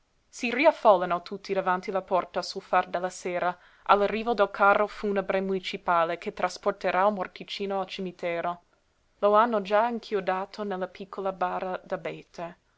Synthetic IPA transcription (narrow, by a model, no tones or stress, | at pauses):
siriafolːanot̪ʰut̪ʰːid̪avant̪ilapɔrt̪asulfard̪elːaseːɾa | ʔalarːiːvod̪elkʰarːofunəbɾemunit͡ʃipaːlekʰet̪ɾasport̪eɾʔaulmort̪it͡ʃiːnoalt͡ʃimit̪ɛːɾo | loanːod͡ʒaiŋkʰjod̪aːt̪ʰonelːapʰikʰːolabaːɾad̪abeːt̪ʰe